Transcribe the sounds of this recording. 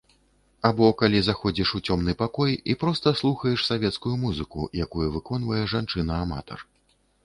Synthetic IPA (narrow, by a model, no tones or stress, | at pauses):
abɔkalʲizaxɔd͡zʲiʂut͡sʲɔmnɨpakɔjipɾɔst̪ɐslˠuxɐjɛʂsavʲɛt̪skujumuzɨkṵjakujuvɨkɔn̪vɐjɛʐant͡ʂɨnɐːma̰t̪ɔ̰r